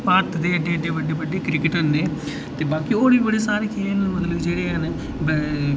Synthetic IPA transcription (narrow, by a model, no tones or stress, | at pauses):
paɾʈ̪d̪eːəɖeːəɖeːʋəɖeːʋəɖeːkɾɪkɪʈɦənd̪eː | t̪eːbaːkioːɽiːbəɽeːsaːɾeːkʰeːlmət̪ləbd͡ʒeːɽeːɦən | b